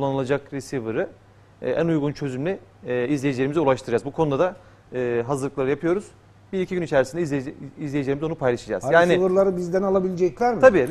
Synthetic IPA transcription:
ulˠːanɯlˠad͡ʒakɾisivɯɾɯ̰ | ʔænujɡunt͡ʃʰø̞zymlʲɛ | izlʲejed͡ʒilʲeɾimizɛulˠaʃt̪ʰɯɾad͡ʒazbukʰo̞nud̪ad̪a | ɯːɦazɯɾlˠɯklˠaɾɯjapʰɯjo̞ɾuz̥ | biɾicʰiɟynit͡ʃʰæɾisind̪izlʲejeilʲeimzo̞nupʰajlˠaʃad͡ʒa̰zjaːnivɯɾlˠaɾɯbizd̪ænalˠabilʲed͡ʒɛclʲæɾmʰabiː

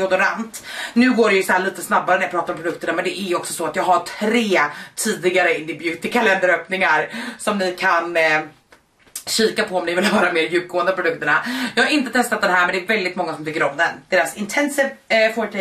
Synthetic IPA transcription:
ɔd̪ʊɾant̪nʉ̟ːɡoːɖɛjɵsɔæːɭiːt̪əsnabːaɾənæjɑpʰɾɑːt̪aɾɔmpɾdɵk̚t̪əɳamɛnd̪ɛʔæɾjɔksɔsɔat̪jɑːɡɦaʈʰɾeːt̪ʰiːd̪ɪɡaɾəɪnd̪ɪbjʉ̟ːt̪ɪkʰalɛnd̪əɾøːpnɪŋaɾsɔmnɪkʰan | ɕiːkapʰɔɔmnɪvɪlvɑːɾameːɾjʉ̟ːp̚ɡoːɛnd̪əpɾʊd̪ɵkt̪əɳajɑːɡhaɾɪnt̪ət̪ʰɛst̪at̪̚d̪ɛnɦæːɾmɛnd̪ɛːɾvɛld̪ɪt̪mɔŋːasɔmt̪ʏkːəɾɔmd̪ɛnd̪̥eːɾasɪnt̪ʰɛnsəɾfɔʈʰɛ

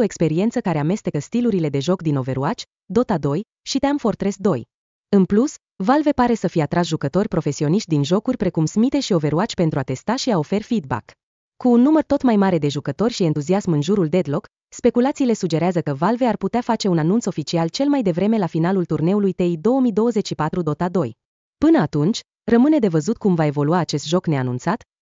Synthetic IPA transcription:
oe̞kspe̞ɾie̞nt̪səkaɾe̞ame̞st̪e̞kəst̪iluɾile̞d̪e̞ʒo̞kd̪ino̞ve̞ɾuat͡ʃʲ | d̪o̞t̪ad̪o̞j | ʃit̪eamfo̞rt̪ɾe̞sd̪o̞j | ɨnplus | valve̞paɾe̞səfijeat̪ɾasʒukət̪o̞rʲpɾo̞fe̞sio̞niʃt̪̚ʲd̪inʒo̞kurʲpɾe̞kumsmit̪e̞ʃio̞ve̞ɾuat͡ʃʲpent̪ɾuat̪e̞st̪aʃiao̞fe̞rfid̪̚ba̰k | kuːnːumərt̪o̞t̪majmaɾe̞d̪e̞ʒukət̪o̞rʲʃie̞nt̪uziasmɨnʒuɾuld̪e̞d̪lo̞k | spe̞kulat̪siːle̞sud͡ʒe̞ɾeazəkəvalve̞arput̪eafat͡ʃe̞unanunt̪so̞fit͡ʃialt͡ʃe̞lmajd̪e̞vɾe̞me̞lafinalult̪urne̞ulujt̪eid̪o̞womijd̪o̞wəze̞t͡ʃʃipat̪ɾud̪o̞t̪ad̪o̞j | pɨnəat̪unt͡ʃʲ | rəmɨne̞d̪e̞vəzut̪̚kumvae̞vo̞luaːt͡ʃe̞st̪ʒo̞kne̞anunt̪sat̪

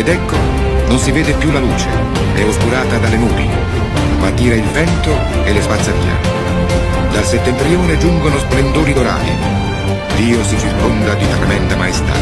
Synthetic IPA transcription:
ed̪ɛkːo | nons̬iveːd̪epjulːaluːt͡ʃḛ | ɛoskuɾaːt̪ad̪alenuːɾḭ | mat̪ːiːɾailvɛnt̪o | elespat̪sːaɾḭːa̰ | d̪alset̪ːent̪ɾioːned͡ʒuŋɡonosplend̪oːɾid̪oɾa̰ːɾḭ | liːosit͡ʃirkond̪ad̪ifaɾamɛnt̪amaest̪a̰ː

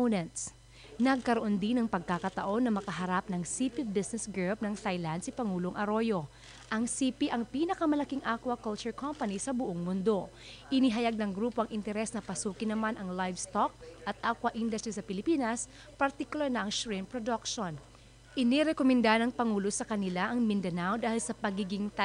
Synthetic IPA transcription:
nɛnt̪s | nɐɡ̚kɐɾoʔo̞nd̪inɐŋpɐɡ̚kakɐt̪ɐʔo̞nːɐmɐkɐɦɐɾap̚nɐŋsipibɪsnɛsɡop̚nɐŋt̪ajland̪sipɐŋuːloŋʔɐɾo̞jo̞ | ʔɐŋsiːpiʔɐŋpiːnɐkɐmɐlɐkiŋʔakwɐkɐlt͡ʃʊɹkompɐnisɐbʊʔoŋmʊnd̪o̞ | ʔɪniɦɐjaɡ̚nɐŋɡɾuːpoɐŋʔɪnt̪ɛɾɛsnɐpɐsuːkɪnɐmanʔɐŋlajvst̪ok̚ʔɐt̪̚ʔakwɐʔind̪ɐst̪ɾisɐpɪlɪpiːnɐs | pɐɾt̪ikʊlaɾnɐʔɐŋʃɹɛmpɾod̪ɐkʃon | ʔɪnɛɾɛkomɛnd̪anɐŋpɐŋuːlosɐkɐnɪlaʔɐŋmɪnd̪ɐnawd̪aːhɪlsɐpɐɡiɡɪŋt̪

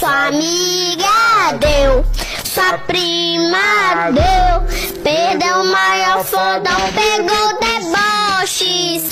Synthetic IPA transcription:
saamiɡad̪ew | swapɾimɐd̪ewpehd̪ewmajɔɾfod̪ɐ̃peɡowd̪ebɔʃis

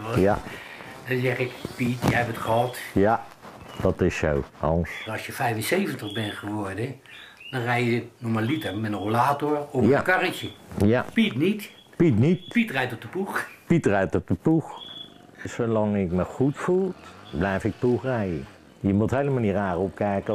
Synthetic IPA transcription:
ja̰ | dɔnsɛχɪkpitjəɦɛpətχəɦɑtja | d̥ɑtɪso̰wɑ̰nsɑsjəfɛjvənsejvəntəχbɛnχəʋɔɹdə | d̥ɔnrɛjənomalitəmɛtənrolaːtoɹɔjakɑrəkəjapitnit | pitnitpitrɛjtɔp̚dəpuxpitrɛjtɔp̚dəpux | sowlɑŋɪkməχutfulˠblɛjfɪk̚puxrɛjən | jəmuthejləmaːlniraːrɔp̚kɛjkə

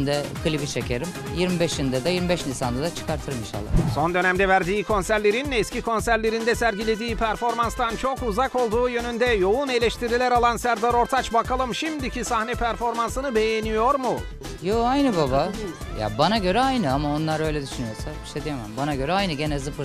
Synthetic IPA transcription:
nd̪ɛkʰɯlʲibit͡ʃʰecʰeɾim | jiɾmibɛʃind̪ɛd̪ɛjiɾmibɛʃnisand̪ad̪at͡ʃʰɯ̥kaɾt̪ʰɯɾɯminʃa̰lˠːa̰so̞nd̪ø̞næmd̪ɛvæɾd̪iːkʰo̞nsæɾlʲe̞ɾinɛscikʰo̞nsæɾlʲe̞ɾind̪ɛsæɾɟilʲe̞d̪iːpʰæɾfo̞ɾmanst̪ant͡ʃʰo̞kuzako̞lˠd̪uːjø̞nynd̪ɛjo̞une̞lʲɛʃt̪ʰiɾilʲæɾalˠansæɾd̪aɾo̞ɾt̪ʰat͡ʃbakʰalˠɯmʃimd̪icʰisahnɛpʰæɾfo̞ɾmansɯnɯbe̞jenijo̞ɾmu | joajnɯbaba | ja̰banaɟø̞ɾɛajnɯamao̞nlˠaɾø̞jlʲɛd̪yʃynyjo̞sabiʃt̪ʰɛd̪ijamambanaɟø̞ɾɛajnɯɟenɛzɯfɯɾ

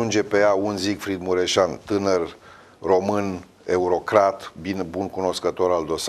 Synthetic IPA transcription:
und͡ʒe̞pe̞jaunzikfɾid̪muɾeʃant̪ɨnər | ro̞mɨn | e̞uɾo̞kɾat̪binbunkuno̞skət̪o̞ɾald̪o̞s

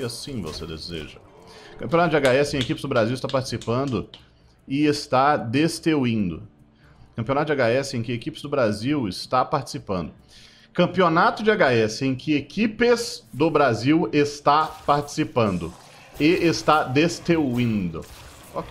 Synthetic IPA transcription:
asĩvo̰sed̪ḛzḛʒɐkɐ̃pijonat̪ʊd͡ʒaɡaɛsɪẽekipɪzd̪ʊbɾaziwɪst̪apaɾt͡ʃɪ̥sipɐ̃nd̪ʊ | ɪest̪ad̪est̪ewĩnd̪ʊ̰ | kɐ̃mpionat̪ʊd͡ʒaɡaɛsɪẽj̃kɪekipɪ̥zd̪ʊbɾaziwɪst̪apaɾt͡ʃɪ̥sipɐ̃nd̪ʊ | kɐ̃mpionat̪ʊd͡ʒɪaɡaɛsɪẽj̃kɪekipɪzd̪ʊbɾaziwɪst̪apaɾt͡ʃi̥sipɐ̃nd̪ʊ | ɪest̪ad̪est̪ewĩd̪ʊ̰ | ɔk

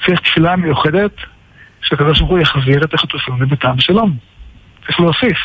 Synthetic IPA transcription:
t͡sʁiχt̪filamejuχed̪e̞t̪ | ʃeakad̪oʃbalχujaχziʁet̪aχit̪ufinebet̪ambeʃalom | iχloosif

